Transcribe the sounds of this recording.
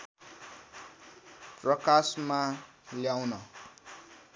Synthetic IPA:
prʌkasmaljawnʌ

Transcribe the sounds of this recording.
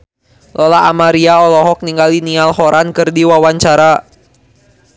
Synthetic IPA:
lɔlaamaɾiaɔlɔɦɔk̚niŋɡalinialhɔɾʔankɨrdiwawaɲt͡ʃaɾa

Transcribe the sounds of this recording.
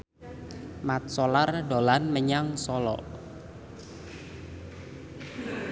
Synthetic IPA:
mat̪̚sɔlardolanməɲaŋsɔlɔ̰ʔ

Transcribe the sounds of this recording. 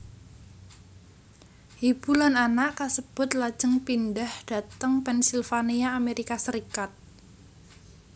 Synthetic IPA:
hib̥ulananaʔkasəb̥ʊt̪̚lad̥d͡ʒ̥əŋpindahd̥a̤t̪əŋpɛnsilfaniaːmeɾikasəɾikat̪̚

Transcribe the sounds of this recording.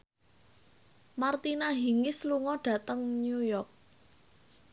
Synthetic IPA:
mart̪inaɦi̤ŋɪsluŋɔɖ̥ä̤t̪əŋnjujɔrk̚

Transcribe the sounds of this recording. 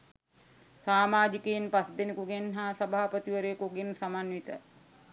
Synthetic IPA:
saːmaːd͡ʒikeinpasd̪enikuɡenɦaːsɐbaɦapət̪iʋəɾejəkuɡensamanʋit̪ə

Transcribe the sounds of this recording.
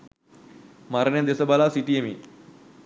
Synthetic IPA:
maɾɳjed̪esəbalasiʈiemiː

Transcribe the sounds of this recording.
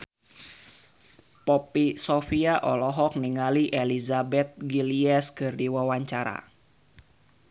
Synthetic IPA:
pɔpisofiaʔɔlɔɦɔk̚niŋaliʔelizabɛt̪̚ɡiliɛskɨrdiwawaɲt͡ʃaɾa̰

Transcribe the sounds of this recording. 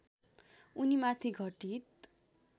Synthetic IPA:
unimat̪ʰiɡʱʌʈit̪

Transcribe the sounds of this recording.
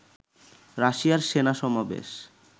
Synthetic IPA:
ɾaʃiaɾʃenaʃɔmabḛʃ

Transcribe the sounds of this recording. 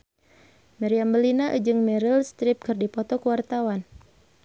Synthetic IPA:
mɛɾiambəlinaʔə̰d͡ʒɨŋmɛɾilst̪ɾɪp̚kɨrdipɔt̪ɔkəwart̪awan

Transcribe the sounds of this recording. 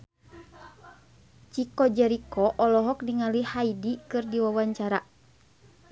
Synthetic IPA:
t͡ʃikɔd͡ʒɛɾikɔʔɔlɔɦɔk̚diŋalihaidikɨrdiwawaɲt͡ʃaɾa

